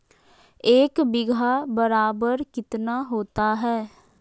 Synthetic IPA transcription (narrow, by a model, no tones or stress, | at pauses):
eːkbɪɡʱabəɾaːbəɾkɪt̪naɦoːt̪aɦɛː